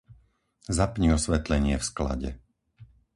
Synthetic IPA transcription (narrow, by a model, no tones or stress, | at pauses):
zapɲiɔsʋɛt̪lɛɲɪɛfskla̰ɟɛ̰